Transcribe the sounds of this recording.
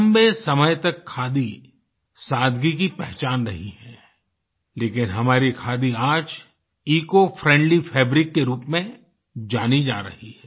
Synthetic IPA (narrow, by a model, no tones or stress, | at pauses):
mbesɐməjt̪ɐkʰːaːd̪i | saːd̪ɡikipɛɦt͡ʃaːnɾɐ̰ɦiɦɛ̃ː | leːkɪnɦɐmaːɾikʰaːd̪iaːd͡ʒ | iːkofɾɛ̃ːɳɖlifʰɛːbɾɪkːeɾuːpmẽ | d͡ʒaːnid͡ʒa̰ːɾɐ̰hiɦɛː